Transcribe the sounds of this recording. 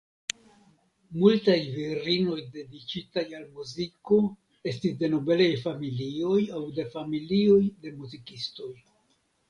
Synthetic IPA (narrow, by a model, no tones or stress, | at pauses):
multajviɾino̞jde̞dit͡ʃitajalmuziko | e̞stisde̞no̞be̞lajfamilio̞jawde̞familio̞jde̞muzikisto̞j